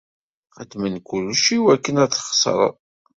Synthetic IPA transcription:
æd̪mənkulʃiwækːənæθχə̥sˤɾˤə̰ˤ

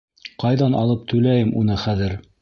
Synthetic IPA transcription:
qɑjðɑnɑ̰lˠɤp̚t̪ʰɵ̆læjɘmʔun̪ɤχæðɘɾ

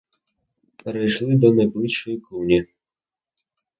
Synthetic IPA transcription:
peɾɐjʃlˠɪd̪ɔnɐjblˠɪʃɔjikuwnʲi

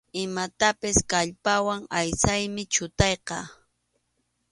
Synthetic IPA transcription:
ɪmat̪apɪskaʎpawaŋajsajmɪt͡ʃʊt̪ɑjqɑ

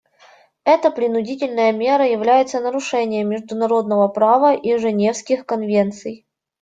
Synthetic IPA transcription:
ɛt̪əpɾʲɪnʊdʲitʲɪlʲnəjəmʲe̞ɾəjɪvlʲæjɪt̪sənəɾʊʂɛnʲɪjəmʲɪʐd̪ʊnɐɾo̞d̪̚nəvəpɾavəʔiʐɨnʲe̞fskʲɪxkɐnvʲe̞nt̪sɨj

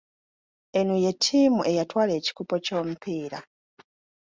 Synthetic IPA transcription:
e̞nuje̞tʰːiːmuʔe̞jatwaːle̞ːci̥kupo̞co̞ːmupiːɾa

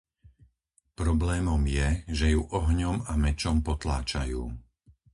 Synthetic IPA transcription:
pɾɔblɛːmɔmjɛʒɛjuʔɔɦɲɔmamɛt͡ʃɔmpɔt̪la̰ːt͡ʃajuː

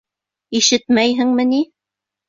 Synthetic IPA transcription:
iʃɘt̪mæjɦɘŋmɘ̆ni

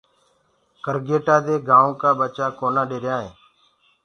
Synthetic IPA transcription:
kəɾɡeːʈaːd̪eːɡãːõːkaːɓət͡ʃaːkoːnaːɖeːɾjãːɦḛ̃ː

